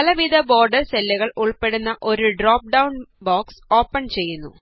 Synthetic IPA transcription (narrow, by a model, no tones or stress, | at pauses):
ɐlɐʋid̪ɐbo̞ːrɖɐrselːɐɣɐɭuɭpe̞ɽunːɐʔo̞ɾuɖroːp̚ɖɐwnbaːkso̞ːpːɐɳt͡ɕe̞jːunːṵ